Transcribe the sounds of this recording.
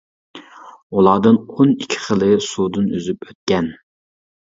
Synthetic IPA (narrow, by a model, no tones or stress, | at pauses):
ulˠɑːd̪ɨnonikʲʰːi̥χəlˠɨsuːd̪ɨnyzypøt̪̚kʲɛn